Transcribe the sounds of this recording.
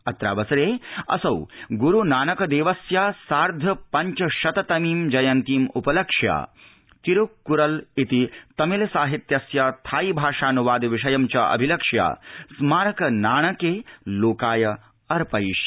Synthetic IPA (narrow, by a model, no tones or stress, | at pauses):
ɐt̪ɾa̰ːbɐsɐɾeːɐ̰sɐwɡuɾunaːnɐkɐd̪eːʋɐsjaːsaːɾd̪ʱɐpɐɲt͡ʃɐʃɐt̪ɐt̪ɐmiːmd͡ʒɐjɐnt̪iːmupɐlɐkʂja̰ː | t̪iɾukːuɾɐlit̪it̪ɐmilɐsaːɦit̪jɐsjaːt̪ʰaːjibʱaːʂaːnuʋaːd̪ʋiʂɐjɐmt͡ʃɐʔɐ̰bʱilɐkʂja̰ːsmaːɾɐkɐnaːɳɐkeːloːkaːjɐ | ɐɾpɐjʃ